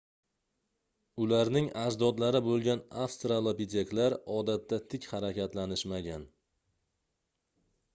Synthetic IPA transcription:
ʊlaɾnɪŋad͡ʒd̪ɒd̪laɾɪbolˠɡʲanafst̪ɾalˠopid̪ʲe̞klaɾɒd̪at̪ːat̪ʰɪkʲhaɾakʲat̪lanɪʃmaɡʲan

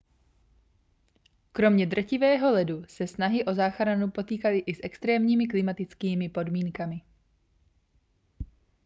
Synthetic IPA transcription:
kɾo̞mɲɛd̪r̩cɪvɛːɦo̞lɛdusɛsnaɦɪʔo̞zaːxɾanupo̞t̪iːkalɪʔɪsʔɛkst̪ɾɛːmɲiːmɪk̬lɪmat̪ɪt͡skiːmɪpo̞dmiːŋkamɪ

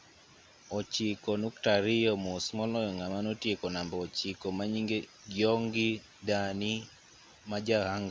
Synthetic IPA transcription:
ɔt͡ʃikɔnuktaɾɪjɔmosmɔlɔjɔŋamanɔtjekɔnambɔːt͡ʃikɔmaɲiŋɡe | ɡjɔŋɡi | dani | mad͡ʒahaŋɡa

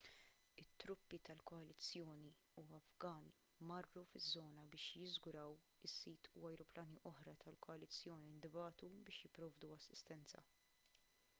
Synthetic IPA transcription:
ɪt̪ːɾʊpːit̪ɐlkɔɐlɪt͡sːjɔːni | uɐvɡɐːni | mɐrːufɪzːɔːnɐbɪːʃjɪzɡʊɾɐw | ɪsːiːt̪ʰuɐjɾɔplɐːniʔɔħɾɐt̪ʰɐlkɔɐlɪt͡sːjɔːnind̪ɪbɐːt̪ubɪːʃjɪpːɾɔːvd̪uɐsːɪst̪ɛnt͡sɐ̰

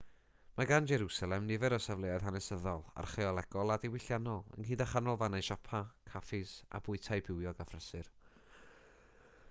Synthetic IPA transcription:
maɡand͡ʒɛɾusalˠɛmnɪvɛɾɔsavlˠejað̥hanɛsəðɔlˠa̰rχeɔlˠɛɡ̥ɔlˠadɪwɪɬjanɔlˠə̰nhiːdaχanɔlˠvanaʃɔpʰakʰafɪsa̰bʊɨtʰajbɪwjɔɡafrɛsɨr

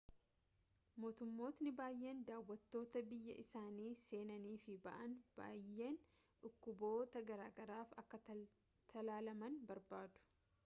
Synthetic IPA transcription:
mo̞ːt̪ʊmːo̞ːt̪nɪbaːjːe̞ːnd̪aːwːɐt̪ːo̞ːt̪ɐbɪjːɐ̰ʔɪsaːniːse̞ːnɐniːfɪbɐ̰ʔɐnb̥a̰ːjːe̞ːn | ᶑʊkːʊbo̞ːt̪ɐɡɐɾaːɡɐɾaːfɐkːɐ | t̪ʰɐlaːlɐmɐnbɐɾbaːd̪ʊ̥

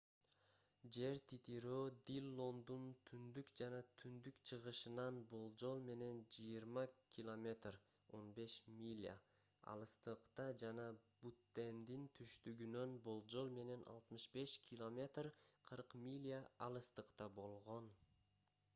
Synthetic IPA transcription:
d͡ʒe̞ɾt̪ʰit̪iɾod̪ilʲːo̞nd̪unt̪ʰynd̪ykd͡ʒɑnɑt̪ʰynd̪ykt͡ʃʰɯʁɯʃɯnɑnbo̞lˠd͡ʒo̞lˠme̞ne̞nd͡ʒɯjiɾmɑkʰʲilˠo̞mʲe̞t̪r | o̞nbe̞ʃmʲilʲa̰ | ɑ̰lˠɯst̪ɯqt̪ɑd͡ʒɑnɑbut̪ːe̞nd̪int̪ʰyʃt̪yɡynø̞nbo̞lˠd͡ʒo̞lˠme̞ne̞nʔɑ̰lˠt̪mɯʃbe̞ʃkʲʰilˠo̞mʲe̞t̪rqʰɯɾqmʲilʲaɑlˠɯst̪ɯqt̪ɑbo̞lˠʁo̞n

